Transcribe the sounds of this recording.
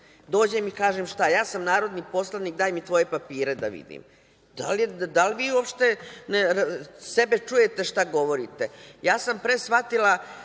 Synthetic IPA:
d̪o̞ːd͡ʑemikaːʒemʃt̪ajaːsamnaːɾo̞d̪nipo̞slˠanik̚d̪aːjmit̪ʋo̞je̞papiːɾe̞d̪a̰ʋḭd̪ḭm | d̪̥aljed̪alʋiːuopʃt̪e̞nesebet͡ʂuje̞t̪e̞ʃt̪aɡo̞ʋo̞ɾit̪e̞jaːsampɾesʋat̪ila

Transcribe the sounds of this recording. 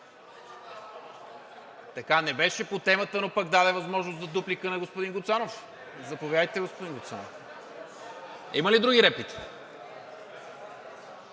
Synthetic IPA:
t̪ɐkanɛbɛʃɛpot̪ɛmət̪ənopaɡd̪ad̪ɛvɐzmɔʒnosd̪ɐd̪uplikənɐɡospod̪iŋɡʊt̪sanof | zɐpovʲjad̪əjt̪ɛɡospod̪iŋɡot̪sanof | iməlid̪ɾuɡʲiɾɛplit̪i̥

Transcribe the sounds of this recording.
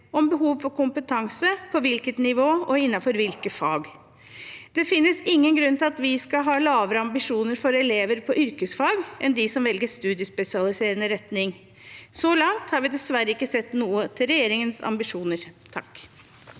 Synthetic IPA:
ɔmbəɦuːʋfɔɾkʊmpət̪ʰɑŋsəpʰɔʋɪlkət̪nɪʋoːɔɪnːɑfɔɾʋɪlkəfɑːɡ | d̪̥ɛfɪnːəsɪŋːənɡɾʉnːt̪ɪlɑt̪ʋɪskɑɦɑːlɑːʋəɾəɑmbɪʂuːnəɾfɔɾɛleːʋəɾpʰɔʔʏɾkəsfɑːɡʔɛnd̪ɪsɔmʋɛlɡəʂt̪ʉːd̪ɪəspɛsɪɑlɪseːɾənəɾɛt̪nɪŋ | soːlɑŋt̪hɑɾʋɪd̪ɛsʋæɾəɪkːəsɛt̪ːnuːət̪ʰɪlɾɛjeːɾɪŋənsɑ̰mbɪʂuːnəɾt̪ʰɑ̰k

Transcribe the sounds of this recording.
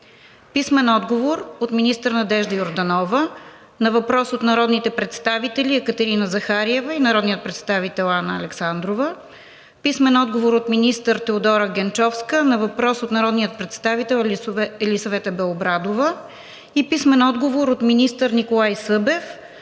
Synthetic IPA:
pismɛnɔd̪ɡovoɾot̪minist̪əɾnɐd̪ɛʒd̪əjoɾd̪ɐnɔvə | nɐvɐpɾɔsot̪nɐɾɔd̪nit̪ɛpɾɛt̪st̪avit̪ɛliɛkət̪ɛɾinəzɐxaɾiɛvəinɐɾɔd̪niət̪̚pɾɛt̪st̪avit̪ɛlˠanəːlɛksand̪ɾovə | pismɛnɔd̪ɡovoɾot̪minist̪əɾt̪ɛod̪ɔɾəɡɛnt͡ʃɔfskənɐvɐpɾɔsot̪nɐɾɔd̪nijət̪̚pɾɛt̪st̪avit̪ɛlˠɛlisɐvɛt̪əbɛlˠobɾad̪ovə | ipismɛnɔd̪ɡovoɾot̪minist̪əɾnikolˠajsɤbɛf

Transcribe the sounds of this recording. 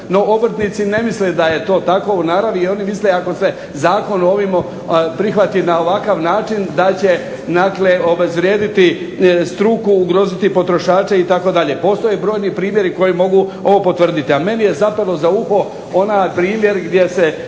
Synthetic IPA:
no̞ʔobr̩t̪nit̪sine̞misled̪aje̞t̪o̞ːt̪ako̞unaɾaʋiio̞nimisleako̞se | zaːko̞no̞ʋimo | pɾixʋat̪inao̞ʋakaʋnaːt͡ʃind̪at͡ɕe̞ | d̪akleo̞be̞zʋɾʲjeːd̪it̪i | st̪ɾukuːɡɾo̞ːzit̪ipo̞t̪ɾo̞ʃaːt͡ʃeit̪ako̞d̪aʎepo̞st̪o̞jebɾo̞ːjnipɾiːmje̞ɾiko̞jimo̞ɡuo̞ʋopo̞t̪ʋr̩d̪it̪iame̞nije̞zapelˠo̞zauxo̞ | o̞napɾiːmje̞ɾɡd̪je̞se

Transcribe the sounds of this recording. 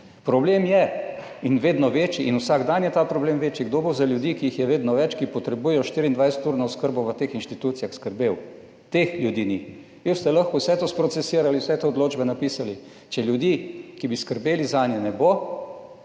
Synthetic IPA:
pɾɔblemjɛ | inʋeːd̪nɔʋeːt͡ʃiʔinusaːɡd̪anjɛt̪apɾɔbleːmʋeːt͡ʃjiɡd̪obozaljud̪ikiixjɛʋeːd̪nɔʋɛt͡ʃkipɔt̪ɾɛbuːjɛjɔʃt̪iɾiːnd̪ʋajsə̥t̪uːɾnɔʊskəɾboʋət̪exinʃt̪it̪uːt̪sijaxskəɾbew | t̪exlʲjud̪iːni | ʋiwst̪ɛlaxkɔwsɛt̪ospɾɔt̪sɛsiɾaliwsɛt̪eod̪loːd͡ʒbɛnapisali | t͡ʃɛljud̪ikibiskəɾbeːlizaːnjɛnɛbo

